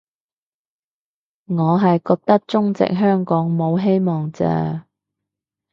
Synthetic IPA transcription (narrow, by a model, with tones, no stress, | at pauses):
ŋɔː˨˧ɦɐ˨jkɔː˧k̚t̪ɐ˥k̚t͡sʊ˥ŋt͡sɪ̰˨k̚ɦœː˥ŋkɔː˨˥ŋmo˨˧wɦe˥jmɔː˨ŋt͡sɛ̰ː˧